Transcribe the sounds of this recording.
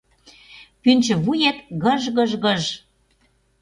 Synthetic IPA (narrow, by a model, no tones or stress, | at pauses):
pynʲt͡ɕɘ̆βujet̪ɣə̆ʒɣə̆ʒɣəʒ